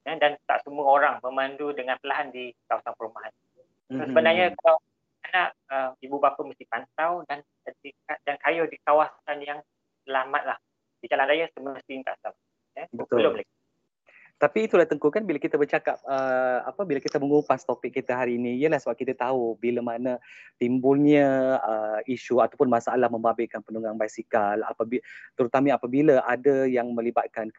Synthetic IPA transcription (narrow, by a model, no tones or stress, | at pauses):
jədant̪a̰ʔsəmuəoɾaŋmə̃mandudəŋanpəlaɦandikawasanpəɾumaɦan | u | asəbənaɲəkalaw | anaʔəmibubapəməst̪ɪpant̪awdan | diadankajʊhdikawasanjaŋ | səlamat̪̚lah | d̥id͡ʒalandajasəməst̪iɲt̪a̰ʔsəlama | əbət̪olomlak̚i | t̪apiːt̪ulaht̪əŋkukanbilakit̪abərt͡ʃakap̚əa̰pəbilakit̪əməŋupast̪opɪk̚ːit̪əɦaɾiːniijəlahsəbap̚kit̪at̪aubiləmanat̪imbulɲəəiʃuat̪awpʊnmasaʔalahmə̃mbabɪkanpənuŋanbajsikala̰pabit̪əɾut̪amiapabiləʔadəjaŋmə̃libat̪̚kan